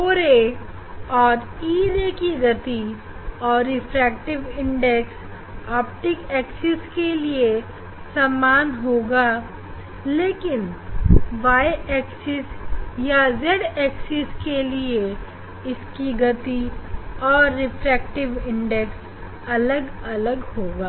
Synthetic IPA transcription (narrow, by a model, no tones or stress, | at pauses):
oːɾeː | ɔːɾiːɾekiɡɐt̪i | ɔːɾːɪpʰɾɛːk̚ʈɪʋɪ̃ɳɖɛks | aːp̚ʈɪkɛːksɪskelie | səmːaːnɦoːɡaː | leːkɪn | ʋaːɛːksɪsjazeɖɛːksɪskelie | ɪskiɡɐt̪iɔːɾːɪpʰɾɛːk̚ʈɪʋɪ̃ɳɖɛks | ɐləɡɐləɡhoːɡaː